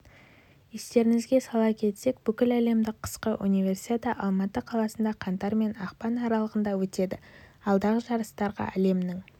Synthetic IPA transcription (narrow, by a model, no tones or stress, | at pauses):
est̪e̞ɾɪŋɪzɡʲe̞sɑlˠɑkʲʰe̞t̪se̞k̚b̥ʏkʲɪlæle̞md̪ɪqʰə̥sqəʔṵnijvʲe̞rsi̥t̪ʲet̪ɑʔɑlˠmɑt̪əqʰɑlˠɑsənd̪ɑqʰɑnt̪ɑɾme̞nɑqpɑnɑɾɑlˠəʁənd̪ɑwɵt̪e̞d̪ɪɑlˠd̪ɑʁəʒɑɾəst̪ɑɾʁɑ̰æ̰le̞mnɪŋ